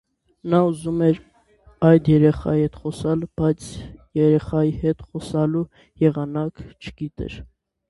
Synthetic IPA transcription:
nɑuzumɛɾ | ɑjd̪jɛɾɛχɑ̰jihɛt̪χɔsɑlb̥ɑjt͡sʰjɛɾɛχɑjihɛt̪χɔsɑlu | jɛʁɑnɑkt͡ʃʰə̥ɡ̥it̪ɛ̰ɾ

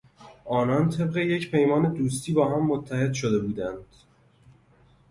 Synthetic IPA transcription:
ʔɒːnɒːnt̪ʰe̞bɢe̞jecpʰe̞jmɒːne̞d̪uːst̪ʰiːbɒːɦæmːot̪ʰːæhe̞d̪ʃod̪e̞buːd̪ænd̪̥

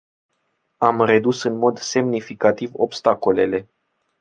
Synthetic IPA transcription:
amre̞d̪usɨnmo̞d̪se̞mnifikat̪ivo̞bst̪ako̞le̞le̞

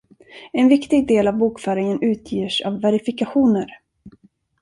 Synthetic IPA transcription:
ɛnvɪkt̪ɪɡ̚d̪eːlavbuːkfœːɾɪŋənʉ̟ːt̪ʰjiːʂa̰vːɛɾɪfɪkaɧuːnəɾ

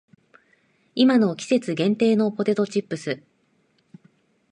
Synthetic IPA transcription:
imano̞kʲi̥se̞t͡sɨɡẽ̞nt̪e̞ːno̞po̞t̪e̞t̪o̞t͡ɕipːɯ̟sɨ

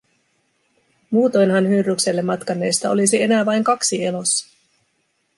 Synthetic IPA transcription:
muːt̪o̞jnɦɑnhyrːykse̞lːe̞mːɑt̪kɑnːe̞jst̪ɑo̞lisie̞næːʋɑjŋkɑksie̞lo̞sːɑ̥

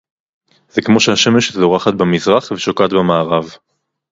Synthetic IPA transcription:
zekmo̞ʃehaʃe̞meʃzo̞ʁaχat̪̚bamizʁaχveʃokat̪bamaːʁav

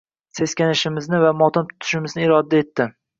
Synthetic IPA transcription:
se̞skʲanɪʃɪmɪznɪvamɒt̪ɒnt̪ʰʊ̥t̪ʰʊɪ̥ʃɪmɪznɪɪɾɒd̪ae̞t̪ːɪ

